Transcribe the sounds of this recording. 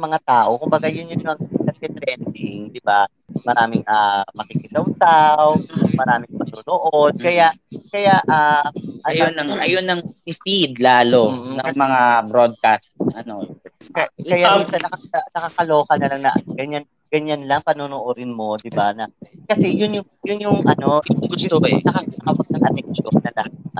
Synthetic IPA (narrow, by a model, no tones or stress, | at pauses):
mɐŋat̪aːʔo̞kʊmbɐɡajʊnjʊnjoʔɐŋɪk̪ɐd̪̚kɛt̪ɾɛnd̪ɪŋd̪ɪba | mɐɾaːmɪŋʔamɐkɪkɪd̪ɐwsawmɐɾaːmɪŋmɐt̪oːnoʔo̞d̪̚kɐjaʔkɐjaʔaʔɐjonɐŋʔɐjonːɐŋɪfid̪laːlom̩ːnɐmɐŋabɾod̪̚kast̪̚ʔɐnokɐkɐjaisɐnɐkɐɐnɐkɐkɐloːkɐnɐlɐŋnɐʔɐɡɐɲan | ɡ̥ɐɲanlɐŋpɐnonoʔoɾɪnmo̞d̪ɪbanɐkɐsɛjʊnjʊŋjʊnjʊŋʔɐno̞jʊnɐkɐnɐkɐwɐɡ̚nɐŋʔɐt̪ɛkt̪onɐlaŋ